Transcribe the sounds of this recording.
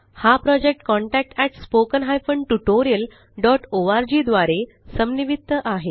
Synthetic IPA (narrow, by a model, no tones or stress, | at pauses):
hapɾɔd͡ʑek̚ʈkɔ̃ɳʈæk̚ʈɛʈspokənɦajfəɳɖʈuʈoɾijəl | ɖɔʈoʋaɾd͡ʑiːd̪ʋaɾe | səmniʋit̪ːəʔaɦe